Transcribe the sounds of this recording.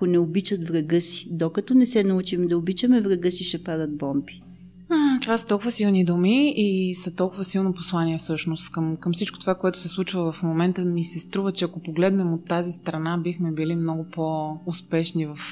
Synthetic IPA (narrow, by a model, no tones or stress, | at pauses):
onɛobit͡ʃət̪vɾɐɡɤsi̥d̪okɐt̪ɔnɛsɛnɐut͡ʃimɛd̪ɐobit͡ʃəmɛvɾɐɡɤsiʃɛpad̪əd̪̚bɔmbi̥ | t̪ovasə̥t̪ɔlˠkʊvəsilˠnid̪umiisɐt̪ɔlˠkʊvəsilˠnopo̥slˠaniɛfsɤʃnost̪kəmkɐmsit͡ʃko̥t̪ovakoɛt̪ʊ̥sɛslˠut͡ʃvəvɐfmomɛnt̪əmisɛst̪ɾuvət͡ʃɛɐkopoɡlɛd̪nɛmot̪ːazist̪ɾɐnabixmɛbilimnɔɡopoːspɛʃnivɐf